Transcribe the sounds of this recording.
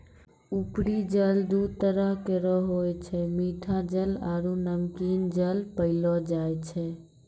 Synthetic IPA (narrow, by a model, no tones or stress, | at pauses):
upɾid͡ʒəld̪ut̪əɾəɦkeɾɔɦojt͡ʃʰɛmiʈʰad͡ʒəlaɾunəmkind͡ʒəlpəɪlɔd͡ʒajt͡ʃʰɛ